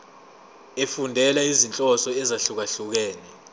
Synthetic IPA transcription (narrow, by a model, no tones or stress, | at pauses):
efundʱɛlaizint͡ɬʼɔsɔɛzaɬuk̬aɬuk̬ɛːnɛ